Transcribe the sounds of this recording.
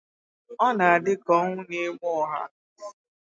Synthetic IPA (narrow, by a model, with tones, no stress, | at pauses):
ɔ˦na˨a˨dɪ˦kɔ˦ŋʷʊ˦ni˦ŋʷɔ˦ɔ˨ɦa̰˦